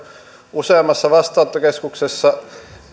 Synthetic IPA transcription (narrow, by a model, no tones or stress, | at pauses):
useɑmːˑɑsːɑʋɑst̪ˑɑːˑot̪ːokeskuksesːɑ